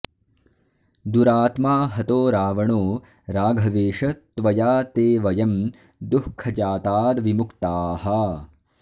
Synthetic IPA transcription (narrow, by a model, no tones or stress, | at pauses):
d̪uɾaːt̪maːɦɐt̪oːɾaːʋɐɳoː | ɾaːɡʱɐʋeːʂɐt̪ʋɐjaːt̪eːʋɐjɐm | d̪uhkʰːɐd͡ʒaːt̪aːd̪ʋimukt̪aːɦɐ